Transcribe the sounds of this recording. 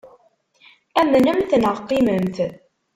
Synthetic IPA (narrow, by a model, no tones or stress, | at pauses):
æmːənæmθnəʁqːɪməmθ